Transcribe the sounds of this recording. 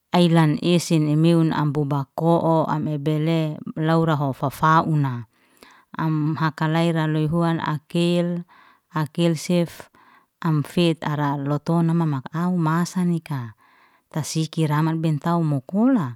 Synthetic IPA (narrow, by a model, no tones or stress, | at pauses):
ailanesinemeuna̰mbubakɔʔɔa̰mɛbɛlelauɾaɦofafaʔuna̰ː | mɦakalaiɾaloiɦuana̰kel | akelsɛf | amfet̪aɾalɔt̪ɔnamamakaumasanika | t̪asikiɾamat̪̚bɛnt̪aumɔkola